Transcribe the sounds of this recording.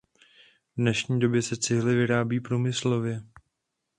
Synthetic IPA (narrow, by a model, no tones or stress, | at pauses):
dnɛʃɲiːdo̞bjɛsɛt͡sɪɦlɪvɪɾaːbiːpɾuːmɪslo̞vjɛ